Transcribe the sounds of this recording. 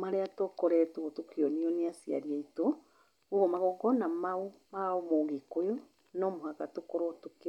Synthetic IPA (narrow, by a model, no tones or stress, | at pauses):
maɾɛatokoɾɛtuβotukioniɔneasia̰ɾiaito | uβɔmaɣɔɡɔnamaumaomoɣikojo | nɔmohakatukoɾotuki